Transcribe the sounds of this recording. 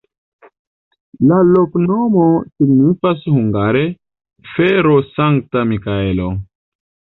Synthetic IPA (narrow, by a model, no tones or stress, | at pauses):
laloknomo̞siɡnifashuŋɡaɾe | feɾosaŋk̚tamikaelo